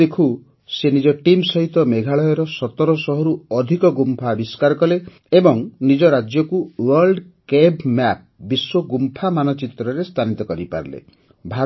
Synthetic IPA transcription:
ekʰu | senid͡ʒɔʈimsɔɦit̪ɔmeɡʱaɭɔjɔɾɔsɔt̪ɔɾɔsɔɦɔɾuɔd̪ʱikɔɡumpʰabiskaɾɔkɔle | ebɔŋnid͡ʒɔɾad͡ʒjɔkuwɔɾlɖkebmɛp̚biswɔɡumpʰamanɔt͡ʃit̪ɾɔɾest̪ʰanit̪ɔkɔɾipa̰ɾlḛ | bʱa

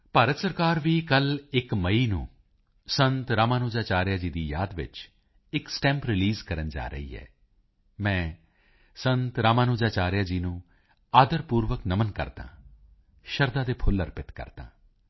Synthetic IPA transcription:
paːɾət̪səɾkaːɾʋiːkəlɪkməiːnũː | sə̃nt̪ɾaːmaːnoːd͡ʒaːt͡ʃaːɾɪjaːd͡ʒiːd̪iːjaːd̪ʋɪ̰t͡ʃ | ɪksʈɛ̃ːmpɾɪliːzkəɾənd͡ʒa̰ːɾə̰ḭːɦɛ̰ː | mɛ̃ː | sənt̪ɾaːmaːnoːd͡ʒaːt͡ʃaːɾjaːd͡ʒiːnũː | aːd̪əɾpuːɾʋəknəmənkə̰ɾd̪ã̰ː | ʃəɾd̪ãːd̪eːpʰʊləɾpɪt̪kə̰ɾd̪ã̰ː

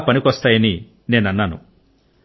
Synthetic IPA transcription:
pɐnikʋɐst̪aːjɐni | ne̞ːnɐnːaːnṵ

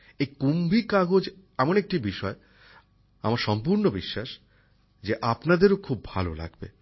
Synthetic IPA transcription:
ejkumbʱikaɡod͡ʑ | ɛmonek̚ʈibiʃɔe | a̰maɾʃɔmp̬uɾnobiʃːaʃ | d͡ʑeʔapnad̪eɾokʰubːʱa̰lola̰ɡbḛ

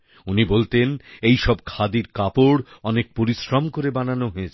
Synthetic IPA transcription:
unibolt̪enejʃɔb̚kʰad̪iɾkapoɾɔnek̚poɾiʃɾamkoɾebananoɦoet͡ɕʰ

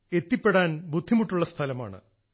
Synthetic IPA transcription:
e̞t̪ːipːeɽaːnbud̪ʱːimuʈːuɭːɐst̪ʰɐlɐma̰ːɳɨ̰

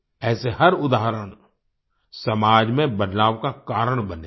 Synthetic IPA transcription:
ɛːseɦɐɾʊd̪aːɦɾəɽ̃ | sɐmaːd͡ʒmẽbɐd̪laːʋkakaːɾəɽ̃bɐneː

